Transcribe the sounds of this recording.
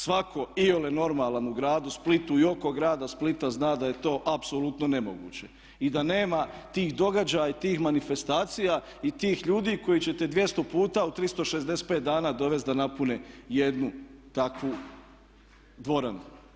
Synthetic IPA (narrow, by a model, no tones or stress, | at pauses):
sʋakʰo̞ioleno̞ɾmaːlˠanuɡɾaːd̪usplit̪uio̞ko̞ɡɾaːd̪asplit̪aznaːd̪aje̞t̪o̞ːʔapsolut̪none̞mo̞̰ɡṵːt͡ɕe̞ | id̪ane̞ːmat̪iːxd̪o̞ɡad͡ʑajait̪iːxmanife̞st̪aːt̪sija | it̪iːxʎuːd̪iːko̞jit͡ɕe̞t̪e̞d̪ʋje̞st̪o̞puːt̪aut̪ɾist̪o̞ʃe̞zd̪eset̪̚peːt̪̚d̪aːnaːd̪o̞ʋe̞st̪d̪anapuneje̞d̪nut̪akʋu | d̪ʋo̞ɾanu